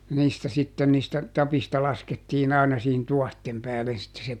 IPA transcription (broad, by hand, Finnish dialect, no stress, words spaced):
jɑ niːstæ sitːen niːstæ tɑpistɑ lɑsketːiːn ɑˑi̯nɑ siːhin tuɔhtem pæːlen sitːe se